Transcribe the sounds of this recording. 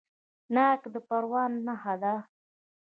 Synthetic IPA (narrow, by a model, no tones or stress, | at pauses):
nakd̪əpaɾwɑnːaɦad̪a